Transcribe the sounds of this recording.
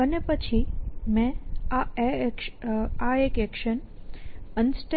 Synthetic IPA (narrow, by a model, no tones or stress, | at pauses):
ənepət͡ʃʰimɛ̃aekaekɛkʃən | ənsʈe